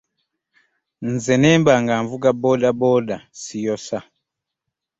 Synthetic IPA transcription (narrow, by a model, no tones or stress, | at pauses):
n̩zɛnɛmbaŋɡaɱvukabɔɗabɔdasijɔsa